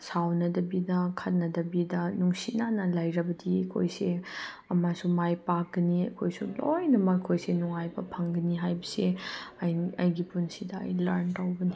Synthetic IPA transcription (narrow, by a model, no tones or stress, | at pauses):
sawnɐdɐbidɐkʰɐt̚nɐdɐbidɐnuŋsinanɐlajɾɐbɐdiɐkʰo̰jse | ɐmasumajpak̚ɡɐniɐ̰kʰojsulojnɐmakʰojsenuŋajbɐpʰɐŋɡɐniɦajbɐsejɐjɡipunsidɐɐ̰jlɐɾntawbɐni